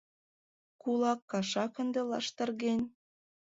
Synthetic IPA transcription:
kulɑkːɑʃɑkə̆nd̪elɑʃt̪ɤ̆rɣenʲ

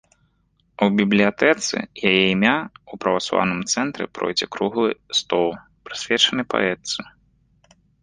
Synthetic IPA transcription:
uwbʲiblʲijat̪ɛt̪sɨ̰jajɛimʲaupɾɐvaslˠa̰wnɨmt̪sɛnt̪ɾʲɛpɾɔ̰jd͡zʲɛkɾuɣlˠɨst̪ɔlˠ | pɾɨsʲvʲɛt͡ʂɐnɨpa̰ɛt̪sɨ

